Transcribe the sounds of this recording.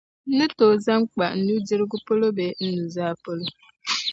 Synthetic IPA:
nɨ˦toː˨za˦mk͡pa˨n̩˦nu˦d͡ʒi˦ɾɨ˦ɡu˦po˦lo˦be˨n̩˦nu˨zaː˦po˦lo˦

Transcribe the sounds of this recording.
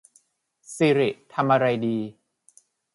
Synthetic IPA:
siː˧ɾi˨˩ʔt̪ʰa˧mʔa˧ɾa˧jdiː˧

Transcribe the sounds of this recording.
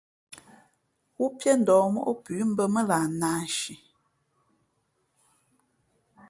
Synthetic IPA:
wu˦pjɛ˦n̩˨dɔː˨mo̰˦ʔo˦pʉ˨˦m̩˦bə˦mə˦laː˨naː˨˦ʃi˨

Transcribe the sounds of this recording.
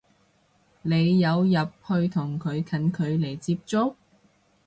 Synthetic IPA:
le˨˧jːɐ˨˧wjɐ˨p̚hɵ˧ɥt̪ʰʊ˨˩ŋkʰɵ˨˧ɥkʰɐ˨˥nkʰɵ˨˧ɥle˨˩jt͡siː˧p̚t͡ʃt͡sʊ˥k̚

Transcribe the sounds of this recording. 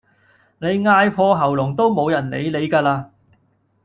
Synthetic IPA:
ne˨˧jŋaː˧jpʰɔː˧ɦɐ˨˩wlʊ˨˩ŋt̪o˥wmo˨˧wjɐ˨˩nlḛ˨˧jle˨˧jkaː˧laː˧

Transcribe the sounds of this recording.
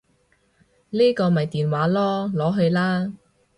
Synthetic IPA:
liː˥kɔː˧mɐ˨jt̪iː˨nwaː˨˥lɔː˥lɔː˨˥ɦɵ˧ɥlaː˥

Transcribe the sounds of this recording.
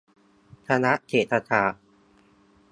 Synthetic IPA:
t̪ʰa˧na˦˥ʔkʰeː˨˩t̪ʰːa˧t̪ʰaː˧˩

